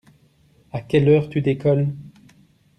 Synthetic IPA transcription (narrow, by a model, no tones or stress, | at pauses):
akʲɛlœːʁt̪yd̪ekɔl